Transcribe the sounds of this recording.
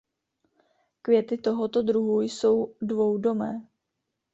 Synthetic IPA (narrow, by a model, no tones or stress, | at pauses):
kvjɛt̪ɪt̪o̞ɦo̞t̪o̞d̪ɾuɦujso̞wdvo̞wdo̞mɛː